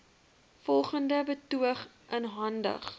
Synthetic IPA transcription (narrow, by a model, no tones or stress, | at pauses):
fɔlˠχəndəbətuəχ | ʔənɦɐndə̰χ